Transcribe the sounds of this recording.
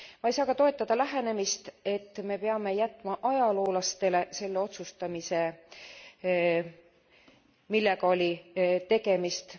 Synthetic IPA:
mɑijsɑːɡ̥ɑt̪o̞e̞t̪ːˑɑd̪̥ɑlæɦe̞ne̞mist̪e̞t̪ːme̞peɑme̞jæt̪ːˑmɑʔɑjɑlo̞ːlɑst̪e̞le̞se̞lːe̞o̞t̪sust̪ɑmise̞ | milːeɡɑo̞lʲit̪e̞ɡe̞mist̪

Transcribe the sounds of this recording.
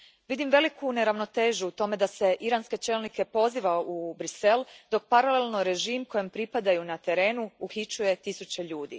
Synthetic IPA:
ʋid̪imʋe̞likʰune̞ɾaʋno̞t̪e̞ːʒuːt̪o̞me̞d̪ase̞ʔiɾaːnske̞t͡ʃe̞ːlnike̞po̞ziːʋaubɾise̞ld̪o̞k̚paɾale̞lnoɾe̞ʒiːmko̞jempɾipad̪ajunat̪e̞ɾe̞ːnuuxit͡ʃuje̞t̪isut͡ɕe̞ʎuːd̪ḭ

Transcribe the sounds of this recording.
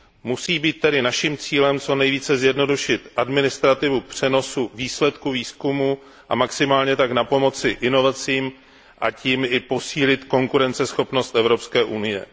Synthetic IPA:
musiːbiːt̪̚ːɛdɪnaʃimt͡siːlɛmt͡so̞nɛjviːt͡sɛzjɛdno̞duʃɪt̪ʔadmɪnɪst̪ɾat̪ɪvupr̝̥ɛno̞suviːslɛt̪kuviːskumuː | ʔa̰maksɪmaːlɲɛt̪aknapo̞mo̞t͡sɪʔɪno̞vat͡siːm | ʔa̰ciːmɪpo̞siːlɪt̪ko̞ŋkuɾɛnt͡sɛsxo̞pno̞st̪ʔɛvɾo̞pskɛːʔunɪjɛ̰

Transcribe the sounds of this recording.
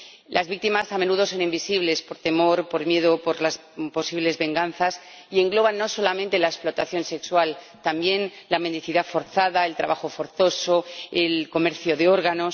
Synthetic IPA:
lʔazβik̚t̪imasame̞nuðo̞so̞nimbisiβle̞spo̞ɾt̪e̞mo̞ɾpo̞ɾmje̞ðopoɾlaspo̞siβle̞zβe̞ŋɡan̟θas | ie̞ŋɡlo̞βanːo̞so̞lamẽnt̪e̞laesplo̞t̪aθjo̞nse̞kswal | t̪ambje̞nlame̞nd̪iθiðafo̞ɾθaðae̞lt̪ɾa̰βaxo̞foɾθo̞so̞elko̞meɾθjo̞ðeo̞ɾɣ̞ano̞s

